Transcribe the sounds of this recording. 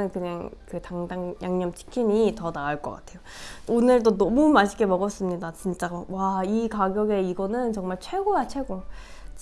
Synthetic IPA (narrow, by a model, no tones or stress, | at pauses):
ɯnkɯɲaŋkɯtaŋdaŋjaŋɲʌmt͡ɕʰi̥kʰimitʌnaaɭk͈ʌk͈a̰tʰe̞jo | onɯɭt̬͈onʌmumaɕʰiɡe̞mʌɡʌs͈ɯmɲidat͡ɕint͡ɕ͈awaikaɡjʌɡe̞iɡʌnɯnt͡ɕʌŋmaɭt͡ɕʰwe̞ɡojat͡ɕʰwe̞ɡo | t͡ɕ